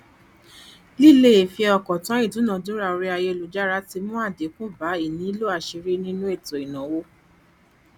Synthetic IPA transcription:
li˦˨le˦e˨fi˧ɛ˧ɔ˧˨kɔ˨tã˨˦i˦˨dũ˨˦nã˨dũ˨˦ɾa˧o˧ɾi˦a˧je˧˨lo˨d͡ʒa˦ɾa˦ti˧mũ˦a˦˨de˨˦kũ˦ba˨˦i˦˨nĩ˨˦i˦lo˦˨a˨ʃi˧ɾi˦nĩ˦nũ˦e˦˨tɔ˨i˨nã˨wo˧˦

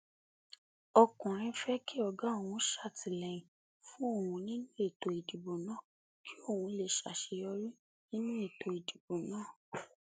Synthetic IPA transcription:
ɔ˧kũ˨ɾ̃ĩ˧fɛ˦ki˦ɔ˨ɡa˦o˦˨wũ˧˦ʃa˦˨ti˨lɛ̃˨ĩ˨ | fũ˦o˦˨wũ˧nĩ˦nũ˦e˦˨to˨i˨d͡ʒi˨bo˨nãː˨˦ | kʰi˦o˦˨wũ˧le˦˨ʃa̰˨ʃe˧jɔ˧ɾi˦ | nĩ˦nũ˦e˦˨to˨i˨d͡ʒi˨bo˨nãː˦˨

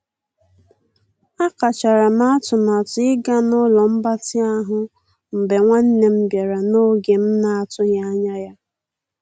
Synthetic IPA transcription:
a˦ka˨t͡ʃa˨ɾa˨m˦a˦tʊ˨ma˨tʊ˨ɪ˦ɡa˦nʊ˦lɔ˨m̩˦ba˦tɪ˦a˦ɦʊ˦ | m̩˨be˨ŋʷa˦n̩˦ne˦m̩˦bja˨ɾa˨no˦ɡe˨m̩˦na˨a˨tʊ˦ɣja˦ɲa˦ja˦

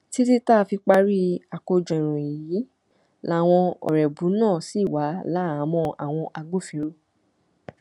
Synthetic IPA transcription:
ti˦ti˦ta˦˨fi˧k͡pa˧ɾi˦a˨ko˧d͡ʒɔ̃˨ɾ̃ũ˨i˨ji˨˦ | la˦˨w̃ɔ̃˧ɔ̰˨ɾɛ˨bu˨˦nãː˦˨si˦˨wa˨˦la˦˨˦mɔ̃˧a˨w̃ɔ̃˧ʔa˧ɡ͡bo˦˨fĩ˨˦ɾo˦

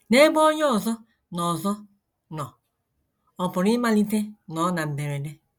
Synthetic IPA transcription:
ne˦bɔ˦jɔ˦˨zɔ˦ | nɔ˨zɔ˦ | nɔ˨ | ɔ˨pɔ˨ɾi˦ma˦li˦te˦nɔ˨˦na˨m̩˨be˨ɾe˨de˦

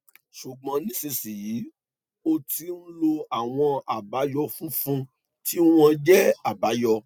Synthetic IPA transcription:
ʃu˨ɡ͡bɔ̃˨˧˦nĩ˦se˧si˨ji˨˦ | o˧ti˧˦n̩˦lo˧a˨w̃ɔ̃˧a˨ba˨˦jɔ˦˧fũ˦fũ˦ | ti˦w̃ɔ̃˧d͡ʒɛ˦a˨ba˨˦jɔ˧

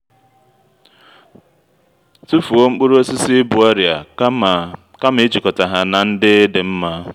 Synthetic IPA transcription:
tu˦fu˨o˦ŋ͡m̩˦k͡pʊ˦ɾu˦o˦sɪ˦sɪ˦bʊ˨ɔ˦ɾja˨˦˨ | ka˦me˦t͡ʃi˨kɔ˨ta˨ɦa˨na˨n̩˦dɪ˦dɪ˨m̩˦ma˦

